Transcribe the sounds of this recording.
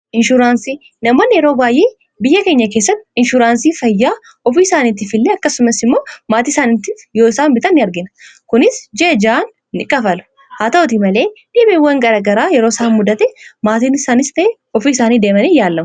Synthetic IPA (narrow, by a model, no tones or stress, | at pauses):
ʔɪnʃʊɾaːnsiː | nɐmoːnːɪjɛɾo̞ːbaːjʔe̞ː | bɪjːɐke̞ːɲːɐke̞ːsːɐt̪ːɪnʃʊɾaːnsiːfɐjːaː | ɔfiːɪsaːniːt̪ːɪfɪlːeːɐkːɐsʊmɐsɪmːoːmaːt̪iːɪsaːnɪt̪ːifjo̞ːɪsaːnbɪt̪ʼɐnːɪɐɾɡɪnɐkʊnɪsd͡ʒed͡ʒaːnːɪkʼɐfɐlʊ̥ | haːt̪ɐɔt̪̬imɐle̞ːᶑɪːbewːɐŋɡɐɾaːɡɐɾaːjɛɾo̞ːɪsɐhnmʊd̪ɐt̪ɛmaːt̪iːnɪsaːnɪst̪ɐʔe | ɔfiːɪsaːniːd̪eːmɐniːjaːlːɐmʊ